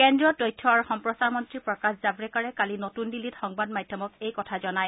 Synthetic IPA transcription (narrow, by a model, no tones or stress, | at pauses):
kɛndɹɔtɔjtʰːɔaɹuxɔmpɹɔsaɹmɔntɹipɹɔkaszabɹɛkaɹɛkalinotundilitxɔŋbad̚madʱjɔmɔkejkɔtʰazɔnaj